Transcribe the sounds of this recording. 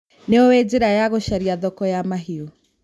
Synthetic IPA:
neowed͡ʑeɾajaɣoʃaɾiaðɔkɔjamaɦio

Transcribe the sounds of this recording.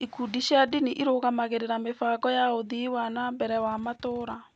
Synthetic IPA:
ikudiʃjadiniʔiɾoɣamaɣeɾeɾamefaːɣɔjaoðiwanambɛɾɛwamatoːɾa

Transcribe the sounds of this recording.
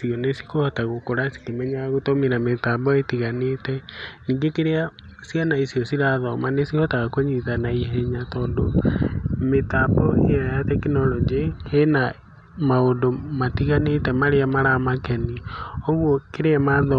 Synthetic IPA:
siɔnesi̥kohataɣokoɾasi̥kemɛɲaɣotomeɾametabɔetiɣanetɛniːŋɡekeɾea | sianaisiɔsiɾaðɔmanesihɔtaɣakoɲitanaiɦɛɲatɔːndo | metabɔḛjajatɛkinɔlɔd͡ʒehena | maondomatiɣanetɛmaɾeamaɾamakɛnioɣwɔkeɾeamaðɔ

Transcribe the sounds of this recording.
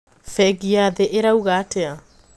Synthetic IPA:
fɛɡiaðeʔeɾauɣaːtea

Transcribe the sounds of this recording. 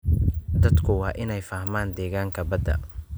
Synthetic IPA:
d̪ɐd̪kʰʊwɑːʔɪnɛjfaːhmaːnd̪ɛːɣaːŋkʰɐbɐd̪ɐ̰

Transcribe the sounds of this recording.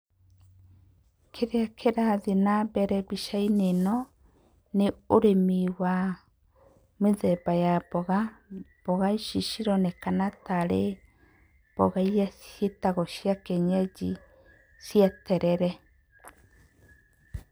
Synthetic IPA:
kʰeɾeakʰeɾaðinabɛɾɛβiʃainenɔ | neoɾemiwa | meðɛbajabɔɣab̥ɔɣaiʃiʃiɾɔnɛkanataɾe | b̥ɔɣaijasjetaɣɔʃiakɛɲɛd͡ʒi | siatɛɾɛɾɛ

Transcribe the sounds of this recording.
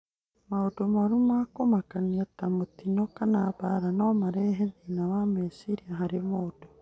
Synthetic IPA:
maudomoɾumakomakaniatamutinokanaβaɾanomaɾeɦeðinaβamesiɾiaɦaɾimodo

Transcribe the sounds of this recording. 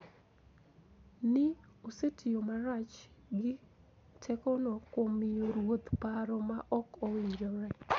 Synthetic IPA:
nɪosetʰɪjomaɾat͡ʃɡɪ | tʰɛkɔnɔkomɪjoɾwot̪paɾɔmaʔɔkowɪɲɾɔɾɛ

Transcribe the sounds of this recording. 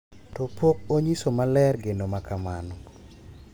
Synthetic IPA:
tɔpok̚oɲisomalɛrɡenomakamanɔ

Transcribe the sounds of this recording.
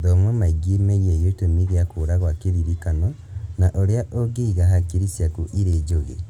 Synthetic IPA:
ðɔmwɛmaiɡimejejotomiɣeakoɾaɣwakeðiɾikanɔ | naʔoɾeaʔoɡeiɣaɦakiɾisjakuʔiɾed͡ʒoɣḛ

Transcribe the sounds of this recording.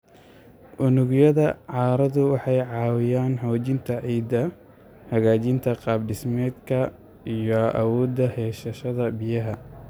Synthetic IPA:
ʔʊnʊɣjɐðɐʕɑːɾɐðʊwɑħɑjʕɑːwɪjaːnħɔːt͡ʃɪnt̪ʰɐʕiːd̪ɐ | hɐɣaːt͡ʃɪnt̪ʰɐqɑːbɖɪsmɛːd̪kʰɐ | ijɔʔɐ̰wɔːd̪ɐhɛːʃɐʃɐðɐbɪjɐɦɐ

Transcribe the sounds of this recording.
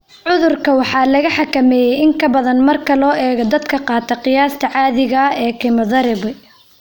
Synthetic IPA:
ʕʊðʊrkʰɐwɑħɑːlɐɣɐħɑkɐmɛːjɛjɪŋkʰɐbɐðɐnmɐrkʰɐlɔːʔɛːɣɐd̪ɐd̪kʰɐqɑːt̪ʰɐqɪjaːst̪ʰɐʕɑːðɪɣɐɛːkʰɪmɐðɐɾɪβɛ

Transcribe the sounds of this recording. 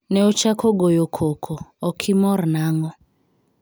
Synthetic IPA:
nɛɔt͡ʃakʰɔɡɔjɔkʰɔkʰɔːkʰimɔrnaŋɔ

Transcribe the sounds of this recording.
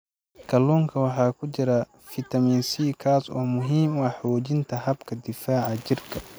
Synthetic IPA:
kʰɐluːŋkʰɐwɑħɑːkʰʊt͡ʃɪɾɐ | fɪt̪ʰɐmiːnsiːkʰaːsɔ̰ːmʊɦiːmwɑħɔːd͡ʒɪnt̪ʰɐɦɐbkʰɐd̪ɪfaːʕɐd͡ʒɪrkʰɐ

